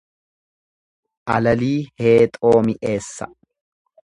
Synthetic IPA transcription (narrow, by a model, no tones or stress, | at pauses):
ʔɐlɐliːhe̞ːt̪ʼo̞ːmɪʔe̞ːsːɐ̰